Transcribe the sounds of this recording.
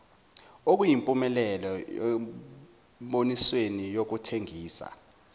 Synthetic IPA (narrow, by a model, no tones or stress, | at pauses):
ok̬ujimpʼumɛlɛlɔɛ | ɓoniswenijok̬utʰeŋiːsa̰